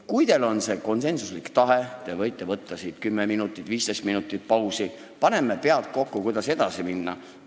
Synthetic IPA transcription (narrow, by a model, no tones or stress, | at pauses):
kujd̪e̞lo̞nse̞ko̞nse̞nsuslikt̪ɑɦe̞t̪e̞vɤjt̪ːˑe̞vɤt̪ːˑɑsid̪̥kymːeminut̪ːˑit̪ːˑviːst̪ejst̪minut̪ːˑit̪̚pɑwsi | pɑne̞mepe̞ɑlt̪̚ko̞kːukujd̪ɑse̞d̪̥ɑsiminːɑ̰